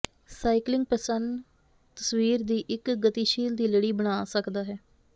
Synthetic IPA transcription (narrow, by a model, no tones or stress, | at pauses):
saːiklɪ̃ŋɡ̚pəsənd̪ | t̪əswiːɾd̪iːʔɪkɡət̪iːʃiːld̪iːləɽiːbəɽ̃aːsəkd̪aːɦɛː